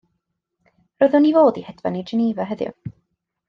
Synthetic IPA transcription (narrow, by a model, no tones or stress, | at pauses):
rɔðʊnivoːdihɛdva̰ned͡ʒɪniːvaɦəðjʊ̰